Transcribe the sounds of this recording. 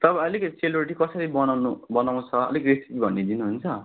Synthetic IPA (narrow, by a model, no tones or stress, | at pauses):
t̪ʌbãʌlikʌseluɾiʈikʌsʌɾibʌnanubʌnaw̃t͡sʰʌʌ̰likresi̥tibʱʌnːid̪inuɦunt͡sʰʌ